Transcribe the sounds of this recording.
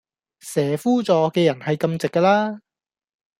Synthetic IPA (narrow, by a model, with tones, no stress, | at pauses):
sɛː˨˩fuː˥t͡sɔː˨˧kɛː˧jɐ˨˩nhɐ˨jkɐ˧mt͡sɪ˨kːɐː˧laː˥